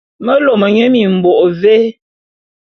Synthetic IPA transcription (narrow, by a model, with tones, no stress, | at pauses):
mə˦lo˨mə˨ɲe˦mi˨m̩˨bɔ˨ʔve˦